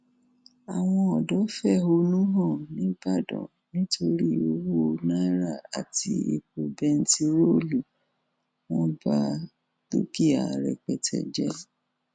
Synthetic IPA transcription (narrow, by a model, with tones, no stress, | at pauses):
a˨w̃ɔ̃˧ɔ˨dɔ˨˦fɛ˦˨ɦo˧nũ˦ɦɔ̃˦˨nĩ˦ba˦˨dɔ̰̃˨ | nĩ˦tʰo˧ɾi˦o˦wo˦nã˦ɾa˦˨a˨tʰi˧ḛ˨ku˧bɛ˧n̩˦ti˧ɾo˦lu˨ | wɔ̃˦ba˦ | to˦ki˦a˨ɾɛ̰˨k͡pɛ˨tʰɛ̰˨d͡ʒɛ˦